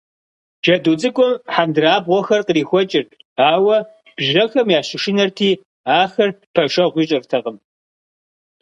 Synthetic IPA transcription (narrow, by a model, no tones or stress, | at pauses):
ʒ̥ɐduːt͡sʼɨkʷʼɔmħandɨraːbʁʷɔxɐrqəriːxʷɔt͡ʃʼɪrtʰʼ | aːwɐ | b̥ʒɐxɐmjaːɕɪʃɪnɐrtʰiː | aːxɐrpʰɐʃɐʁʷiːɕʼɪrtʰɐqəm